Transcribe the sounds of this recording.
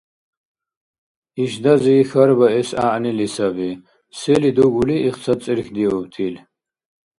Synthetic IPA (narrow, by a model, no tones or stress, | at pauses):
iʃd̪aziːxaɾbaɛsa̰ʔnilisabi | sɛlid̪uɡuliʔiχt͡sʰat͡sʼiɾxd̪iɔb̚t̪ʰil